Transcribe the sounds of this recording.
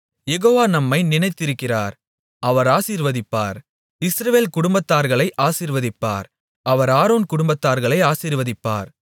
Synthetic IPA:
jɛɣoːʋaːnɐmːɐɪnɪnɐɪt̪ːɪɾɯkːɪraːɾ | ʔɐʋɐɾaːsiːɾʋɐðɪpːa̰ːɾ | ɪsɾɐʋeːlkʊɽʊmbɐt̪ːaːɾɣɐɭɐɪʔaːsiːɾʋɐðɪpːa̰ːɾ | ʔɐʋɐɾaːɾoːnkʊɽʊmbɐt̪ːaːɾɣɐɭɐɪaːsiːɾʋɐðɪpːa̰ːɾ

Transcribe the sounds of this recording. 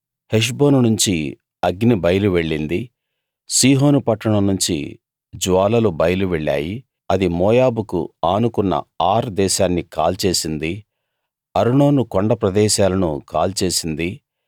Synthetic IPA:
heʂ̬bo̞ːnunuɲt͡ʃi | ɐɡnibɐjɐluʋe̞ɭːind̪i | siːɦo̞ːnupɐʈːɐɳɐmnuɲt͡ʃḭ | d͡ʒuʋaːlɐlubɐjɐluʋeɭːa̰ːji | ɐd̪imɔːjaːbukṵaːnukunːɐ̰aːɾd̪ɛːʃaːnːikaːlt͡ʃe̞ːsind̪i | ɐɾuɳo̞ːnukoɳɖɐpɾɐd̪ɛːʃaːlɐnukaːlt͡ʃe̞ːsind̪i

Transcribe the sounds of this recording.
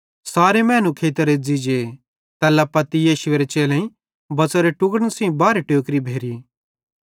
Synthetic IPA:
saːɾemɛ̃ːnukʰeːt̪əɾed͡zid͡ʒe | t̪ɛːlapɐt̪ijeːʃʊeːɾet͡ʃeːlẽĩ | bɐt͡soɾeʈʊɡəɽɽ̃sĩbaːɾeʈjoːkɾibʱeːɾi

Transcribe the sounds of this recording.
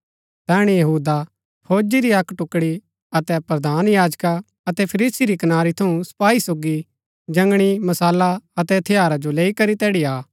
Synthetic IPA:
t̪ɛːɽ̃ijɐɦuːd̪a | pʰoːd͡ʒiɾiɐkːʈʊkːɽi | ɐt̪ɛpɾɐd̪aːnjaːd͡ʒka | ɐt̪ɛpʰɐɾiːsiɾikɐnaːɾit̪ʰɐũsɐ̥paːisoːɡi | d͡ʒɐ̃ŋɡɽ̃imɐsaːlaɐt̪ɛt̪ʰɪjaːɾad͡ʒoleːikɐɾit̪ɛːɽiaː

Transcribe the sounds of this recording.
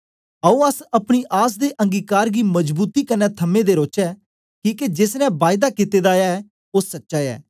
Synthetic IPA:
əũːəsəpɽ̃iːʔaːs̬d̪eːʔə̃ŋɡiːkaːɾɡiːməd͡ʒbuːt̪iːkənːɛːt̪ʰəmːẽːd̪eːɾoːt͡ʃɛː | kiːked͡ʒɪsnɛ̃ːbaːɪd̪aːkɪt̪eːd̪aːjaːɛ | osətːʃaːɛ̰ː

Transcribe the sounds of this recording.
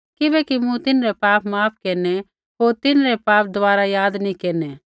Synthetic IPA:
kɪbɛkimũt̪ɪnɾɛpaːpmaːp̚ʰkeːnɛ | ɦoːɾt̪ɪnɾɛpaːp̚d̪aːɾajaːd̪nikeːnɛ

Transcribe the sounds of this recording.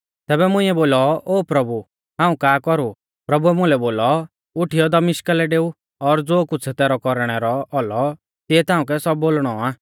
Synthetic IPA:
t̪ɛːbɛmʊ̃ɪ̃ɛboːlɔoːpɾɐbu | ɦãːũkaːkɔɾu | pɾɐbuɛmʊ̃lɛboːlɔ | ʊʈʰijɔd̪ɐmɪʃkəlɛɖeːu | ɔɾd͡zoːkʊt͡sʰɛt̪ɛːɾɔkɔɾɽ̃ɛɾɔɔlɔ | t̪iɛt̪ãːũk̬ɛsɔbːoːlɽ̃ɔaː

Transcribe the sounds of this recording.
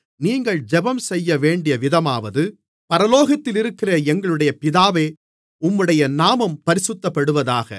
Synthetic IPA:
niːŋɡɐɭd͡ʒɛbɐmsɛjːɐʋeːɳɖɪjɐʋɪðɐmaːʋɐðɯ | pɐɾɐloːɣɐt̪ːɪlɪɾɯkːɪrɐɛŋɡɐɭɯɽɐjɐpɪðaːʋeː | ʊmːɯɽɐjɐnaːmɐmpɐɾɪsɯt̪ːɐpːɐɽɯʋɐðaːɣɐ̰

